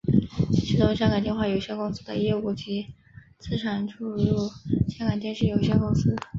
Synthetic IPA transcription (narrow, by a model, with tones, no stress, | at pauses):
t͡ɕʰi˧˩t̪ʊ˥˧ŋɕjɑ˥ŋkɑ˨˩nt͡ɕ̪jɛ˥˧nxwa˥˩jo˨˩ʊɕjɛ˥kʊ˥ŋsɹ̩˥d̪ə̰˧jɛ˥˧u˥˩t͡ɕi˧˥ | t͡sʰɹ̩˥˩ʈ͡ʂʰa˨˥nʈ͡ʂʰu˥ɻu˥˩ɕjɑ˥ŋkɑ˨˩ŋt͡ɕ̪jɛ˥˧nʂɻ̩˥˩jo˨˩ʊɕjɛ˥kʊ˥ŋsɹ̩˥